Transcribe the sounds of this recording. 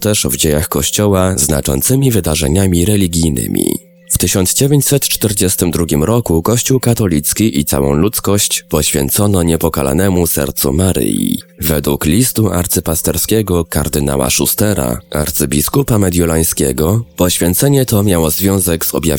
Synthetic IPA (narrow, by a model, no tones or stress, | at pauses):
t̪ɛʂvd͡ʑejaxkɔɕt͡ɕɔwazna̰t͡ʂɔ̰nt̪sɘmʲivɘd̪aʐɛ̰ɲamʲiɾɛlʲiɡʲijnɘ̰mʲḭ | ft̪ɘɕɔnzd͡ʑevʲjeɲt͡ɕsɛt̪t͡ʂt̪ɛɾd͡ʑɛst̪ɘmd̪ɾuɡʲimɾɔkukɔɕt͡ɕuwkat̪ɔlʲit̪skʲiʔit̪sa̰wɔ̰̃w̃lut̪skɔɕt͡ɕpɔɕfʲjɛ̰nt̪sɔnɔɲɛpɔkala̰nɛmusɛ̰ɾt̪sṵmaɾɘ̰jḭvɛd̪wuklʲist̪uaɾt̪sɘpast̪ɛɾskʲeɛɡɔkaɾd̪ɘna̰wa̰ʂust̪ɛɾa̰ʔa̰ɾt̪sɘbʲiskupamɛd̪ʲjulaj̃skʲɛ̰ɡɔpɔɕfʲjɛnt̪sɛɲɛt̪ɔmʲjawɔzvʲjɔ̃w̃zɛɡz̥ɔ̰bʲja̰v